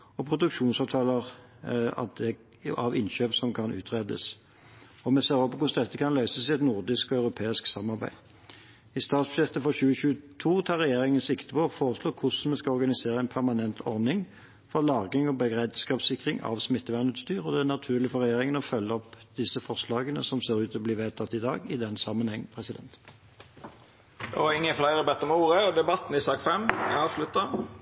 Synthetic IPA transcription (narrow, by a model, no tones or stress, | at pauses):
ɔpʰʁʊd̪ʉkʃuːnsɑːʋt̪ʰɑːləʁ | ɑ̰t̪̚d̪ɛ | ɑʋɪnɕøːpsɔmkʰɑnʉ̰ːt̪ʰʁeːd̪ə̰s | ɔmɛseːʁɔpɔkʊsd̪ɛt̪ːəkʰɑnlœʏsəsɪɛt̪nʊʁd̪ɪskɔɑʉɾʊpʰeːɪsksɑmːɑʁbæ̰ɪ | ɪst̪ɑːt̪sbʃɪft̪əfɔʁçʉːəɕʉːət̪ʰuːt̪ʰɑːʁɛjeːʁɪŋənsɪkt̪əpɔɔfoːʁəsloːkʰʊsn̩mɛskɑɔɾɡɑnɪseːʁəæɪnpʰæʁmɑnɛnt̪ʰɔʁnɪŋ | fɔʁlɑːɡɪŋɔbəɡʁɛd̪skɑːbsɪkʁɪŋɑ̰ʋsmɪt̪ːəʋænʉːt̪st̪yːʁɔd̪ɛænɑt̪ʰʉːʁlɪfɔʁɛjeːʁɪŋənɔfœlːəɔpd̪ɪsəfɔʁslɑːɡənəsɔmseːʁʉːt̪ɔbliːʋeːt̪ʰɑt̪ːɪd̪ɑːɡɪd̪ɛnːsɑmːənhɛŋːpʰʁɛsɪd̪ɛ̰nt̪ | ɪŋːəflæɪɾəbɛt̪ːəmuːʁəd̪ɛbɑt̪ːn̩ɪsɑːɡfɛmɑːʋslʉt̪ːə